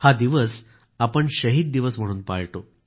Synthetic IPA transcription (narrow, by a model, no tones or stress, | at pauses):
had̪iʋəs | apəɳɕəɦiːd̪̚d̪iʋəsm̤əɽuːnpa̰ɭʈo